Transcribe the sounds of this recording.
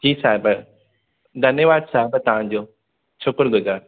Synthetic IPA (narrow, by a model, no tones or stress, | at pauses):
tʰiːsaːɦɪpɐ | d̪ʱɐnjəʋaːd̪saːɦɪpət̪ɐʋ̤ãd͡ʑoː | t͡ɕʰʊkɾɡʱʊd͡ʑaː